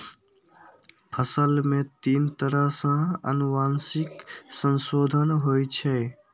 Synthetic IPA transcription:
pʰəsəlmẽt̪iːnt̪əɾəɦsə̃ə̰nuʋaːnsiksənsoːd̪ʱənɦojt͡ʃʰɛ

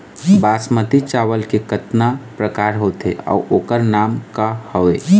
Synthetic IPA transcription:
baːsmət̪it͡ʃaːʋəlkekət̪napɾəkaːɾɦot̪ḛɔ̰ʔoːkəɾnaːmkahoʋeː

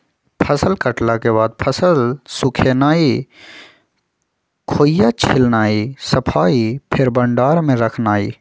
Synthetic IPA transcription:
pʰəsəlkəʈlakeβaːd̪̚pʰəsəlsʊkʰeːnaːi | kʰoːjat͡ʃʰɪlnaːisəpʰaːipʰɪɾbəɳɖaːɾmẽɾəkʰnaːiː

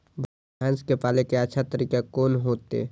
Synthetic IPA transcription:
bʱa | ãːnskepaːlekeətːʃʰat̪əɾiːkekoːnɦoːt̪ḛ

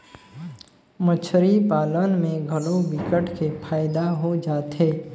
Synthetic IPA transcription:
mət͡ʃʰɾipaːlənmẽɡʱɐlõbɪkəʈkepʰaːɪd̪aɦod͡ʒaːt̪ɦeː

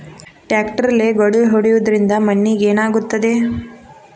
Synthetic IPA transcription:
ʈjaːkʈɐɾɐleːɡɐɽɐlɦoɽijud̪ɐɾind̪ɐmɐnːiɡeːnaːɡut̪ːɐd̪e̞

